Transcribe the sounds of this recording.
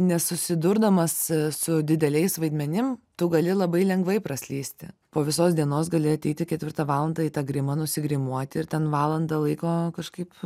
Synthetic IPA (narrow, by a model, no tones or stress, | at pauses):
nʲɛsʊsʲɪd̪ʊrd̪ɐmɐssʊd̪ʲɪd̪ʲɛlʲɛɪsʋɐɪd̪ʲmʲɛnʲɪmt̪ʊɡɐlʲɪlˠɐbɐɪlʲɛŋɡʋɐɪprɐsʲlʲiːsʲt̪ʲɪ̰poːʋʲɪsoːsd̪ʲiɛnoːs̬ɡɐlʲɪɐt̪ʲɛɪt̪ʲɪkʲɛt̪ʲʋʲɪrt̪ɑʋɑːlˠɐnd̪ɐiːt̪ɑɡɾʲɪmɐnʊsʲɪɡɾʲɪmuɔt̪ʲɪɪrt̪ʲɛnʋɑːlˠɐnd̪ɐlˠɐɪkoːkɐʃkɐɪp